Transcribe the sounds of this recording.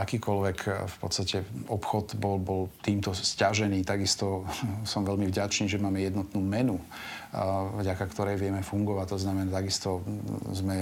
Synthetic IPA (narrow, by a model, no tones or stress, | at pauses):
akiːkɔlʋɛkʰfpɔ̰t̪st̪acɛɔpxɔd̪bɔlbɔlt̪iːmt̪ɔscaʒɛniːt̪aɡist̪ɔsɔmʋɛlmivɟat͡ʃniːʒɛmaːmɛjɛd̪nɔt̪nuːmɛnu | vɟakakt̪ɔɾɛjʋɪɛmɛfuŋɡɔʋact̪ɔznamɛnat̪aɡist̪ɔzmɛ